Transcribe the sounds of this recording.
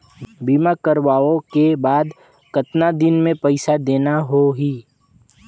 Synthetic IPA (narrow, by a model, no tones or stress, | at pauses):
biːmakəɾʋaːõkebaːd̪ | kət̪nad̪ɪnmẽpɛɪsad̪eːnaɦoɦiː